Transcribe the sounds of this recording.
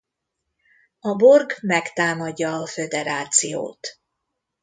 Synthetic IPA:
ɒbo̞rɡmɛkt̪aːmɒɟːɒːfø̞d̪ɛɾaːt̪sijo̰ːt̪

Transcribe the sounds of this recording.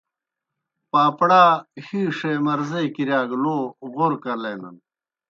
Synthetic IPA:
paːpɽaːhiːʂemɐɾzejkiɾjaːɡloːʁoɾkɐleːnɐ̰n

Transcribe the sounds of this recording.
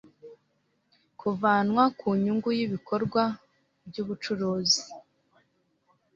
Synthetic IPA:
kʰuvaːnwakʰuɲuŋɡujiβiko̞ɾɡwa | bɟuːβut͡ʃuɾuːzi

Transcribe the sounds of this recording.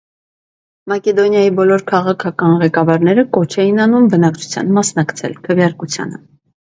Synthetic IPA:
mɑkɛd̪ɔnjɑjibɔlɔɾkʰɑʁɑkʰɑkɑnʁɛkɑvɑɾnɛɾəkɔt͡ʃʰɛjinɑnumbənɑkt͡ʃʰu̥t͡sʰjɑ̰nmɑsnɑkt͡sʰɛ̰lkʰəvjɑɾkut͡sʰjɑ̰nə̰

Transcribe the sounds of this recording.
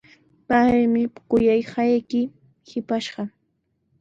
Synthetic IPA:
pajmɪkʊjajhɑjkɪ | hɪpaʃɢɑ

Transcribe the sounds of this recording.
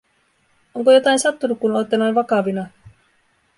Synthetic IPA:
oŋkojo̞t̪ɑinsɑt̪ːunukkunojt̪ːɑnonʋɑkɑʋinɑ

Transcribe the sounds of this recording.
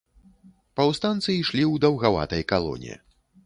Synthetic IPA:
pɐwst̪ant̪sɨiʂlʲiwd̪ɐwɣava̰t̪ɐjkalˠɔ̰nʲḭ

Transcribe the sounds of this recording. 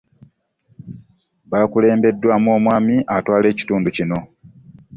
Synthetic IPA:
βaːkule̞ːmbe̞dːwaːmoːmwaːmiʔatwaːle̞ːci̥tuːnducino̞

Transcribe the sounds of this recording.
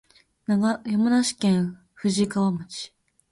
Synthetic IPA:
jomanaɕi̥kẽɰ̃ | ɸɯ̟ʑikaβamɯt͡ɕi̥

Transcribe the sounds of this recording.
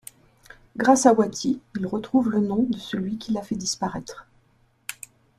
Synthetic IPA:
ɡʁasawat̪ʰiilʁət̪χuvlənɔ̃d̪əsəlɥikʲilafɛd̪ispaʁɛt̪χ

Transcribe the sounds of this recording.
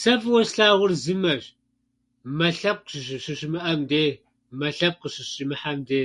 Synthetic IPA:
sɐfwɔʃɬaːʁʷʊrzɨmɐɕ | mɐɬɐp̚qɕɕɨʃɪmɨʔɐmdeː | mɐɬɐp̚qəɕɪɕʼimɨħamdeː

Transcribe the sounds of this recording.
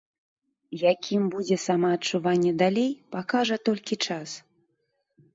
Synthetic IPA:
jakʲimbud͡zʲɛsamɐːt͡ʂuvanʲːɛd̪alʲejpakaʐɐt̪ɔlʲkʲit͡ʂas

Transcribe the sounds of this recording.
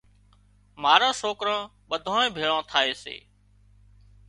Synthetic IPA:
maːɾãːsoːkɾãː | ɓəd̪ʱãːẽːbʱeːɭãːt̪ʰaːeːsḛː

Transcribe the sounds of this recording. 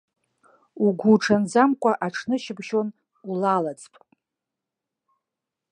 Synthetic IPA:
uɡʷuʈ͡ʂʰand͡zamkʷʼaʔaʈ͡ʂʰnɨʃɪbʃo̞n | ulalat͡sʼpʼ

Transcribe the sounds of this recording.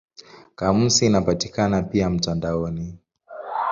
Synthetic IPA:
kam̩siːnapatikanapiam̩tandaɔni

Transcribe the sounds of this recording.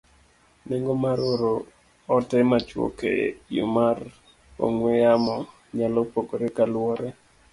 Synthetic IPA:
neŋɡomaɾoɾoː | tɛmat͡ʃwo̰kḛjo̰mar | o̰ŋwɛjamɔ | ɲalɔpokoɾekalwɔɾɛ

